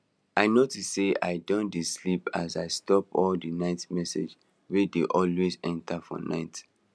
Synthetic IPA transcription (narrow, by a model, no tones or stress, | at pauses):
aɪnotuseʔa̰ɪdõndislipazaɪstɔpɔldinaɪtmɛsḛd͡ʒ | wɛdeʔɔlwezɛ̃ntafɔ̰na̰ɪt